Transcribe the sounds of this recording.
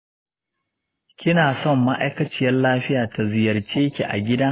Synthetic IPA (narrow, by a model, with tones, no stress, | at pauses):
kʲɪ˦naː˨sɔ˦˨mːa˦ʔa̰˦jkɐ˦t͡ʃɪ˦jɐ˦nlaː˦ɸɪ˦jaː˨ta˨zɪ˨jɐ˨rt͡ʃeː˦kʲḭ˨ʔa̰˨ɡʲɪ˦daː˦